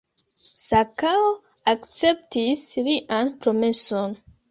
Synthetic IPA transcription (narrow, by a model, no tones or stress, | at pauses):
sakao | akt͡se̞p̚tisliʔanpɾo̞me̞so̞n